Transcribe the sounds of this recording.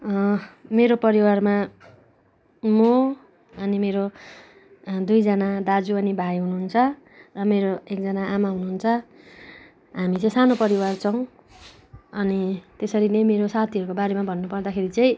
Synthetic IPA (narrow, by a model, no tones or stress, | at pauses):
meɾopʌɾiwarma | mo | ʌnimeɾo | d̪ujd͡zʌnad̪ad͡zuʌnibʱajɦunuɦunt͡sʰʌ | rʌmeɾoek̚d͡zʌnaamaɦunuɦunt͡sʰʌ | ɦamit͡sʌ̃ĩsanopʌɾiwart͡sʰʌw̃ | ʌnit̪esʌɾinʌjmeɾosat̪ʰiʌɾukobaɾemabʱʌnːupʌrd̪akʰeɾit͡sʌĩ